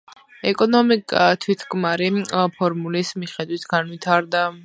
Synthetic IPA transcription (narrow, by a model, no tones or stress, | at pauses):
ɛkʼɔnɔmikʼat̪ʰwit̪ʰkʼmaɾipʰɔɾmulismiχɛd̪wit̪ʰɡ̥anwit̪ʰaɾd̪a